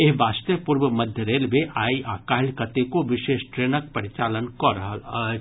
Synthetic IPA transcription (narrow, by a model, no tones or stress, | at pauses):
eɦʋaːst̪jəpuːɾʋəmɐd̪ʱjəɾeːlʋeʔaːiaːkaːɦlkət̪ekoʋɪʃeːʃʈɾeːnək̚pɐɾɪt͡ʃaːlənkɔɾɐɦəl